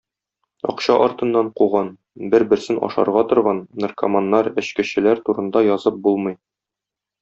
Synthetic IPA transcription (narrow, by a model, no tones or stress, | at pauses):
ɒ̰qɕɑʔɒɾt̪ɤ̆nːɑɴquʁɑn | bɘɾbɘ̆ɾsɘnʔɒ̰ʃɑ̰ɾʁɑt̪ŏɾʁɑnnɤ̆rkɐmanːɑɾɘ̆ɕkɘ̆ɕɘ̆læɾt̪uɾɤ̆nd̪ɑjɒzɤp̚bulˠmɤj